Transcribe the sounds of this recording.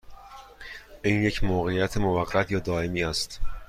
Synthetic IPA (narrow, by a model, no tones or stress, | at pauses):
ʔiːnje̞cʰmoːɣe̞jæt̪ʰemovæɢːæt̪ʰjɒːd̪ɒːe̞miːæst̪